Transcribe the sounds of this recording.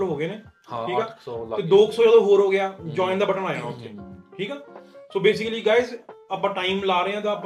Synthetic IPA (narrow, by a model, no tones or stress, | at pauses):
lɦoːɡeːneː | iːkaːt̪eːd̪oːksoːd͡ʒəːd̪oːɦoːɾɦoːɡɪjaːd͡ʒɔːɪ̃nd̪aːbəʈənaːjãʊseːʈʰiːkaːsoːbeːs̬ɪkəliːɡaːɪzəpãːʈaːimlaːɾəeːãːt̪ãːəp